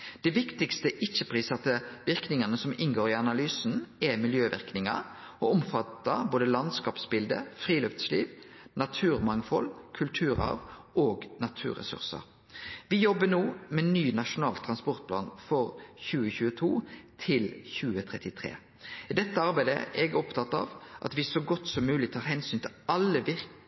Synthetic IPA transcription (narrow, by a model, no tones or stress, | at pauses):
d̪̥ɛʋɪkt̪ɪkst̪əʔɪt͡ʃːəpʰʁiːsɑt̪əʋɪʁknɪŋɑnəsɔmɪnɡoːɾɪɑnɑlyːsn̩ɛmɪljøːʋɪ̰ʁknɪŋɑ̰ɾ | ɔɔmfɑt̪ːəɾboːd̪əlɑnd̪skɑːpsbɪld̪ə̰fʁiːløːpsliːʋ | nɑt̪ʰʉːʁmɑŋfɔlkʰʉlt̪ʰʉːɾɑ̰ːʋoːɡnɑt̪ʰʉ̰ːʁɛ̰sʉ̰ʁsə̰ɾ | ʋɪjɔbːənoːmɛnyːnɑʂʊnɑːlt̪ʰɾɑnspɔʁt̪̚pʰlɑːnfɔɾçʉːəçʉːət̪ʰuːt̪ʰɪlçʉːət̪ʰʁɛt̪ɪt̪ʰʁḛː | ɪd̪ɛt̪ːəɑɾbæɪd̪ə̰ʔɛɡɔpt̪ʰɑt̪ːɑ̰ːʋʔɑ̰t̪ʋɪsɔɡɔt̪ːsɔmːʉːlɪt̪ʰɑːɾhɛnsyːnt̪ʰɪlɑlːəʋɪɾ